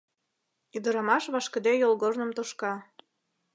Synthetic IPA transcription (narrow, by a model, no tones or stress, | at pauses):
yd̪ə̆ɾɑmɑʃβɑʃkə̆d̪ejolɣornə̆mt̪oʃkɑ